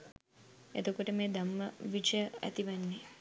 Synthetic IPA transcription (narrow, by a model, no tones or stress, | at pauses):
ḛt̪okoʈəmeːd̪ɐmːəʋit͡ʃəjəɐ̰t̪iʋanːe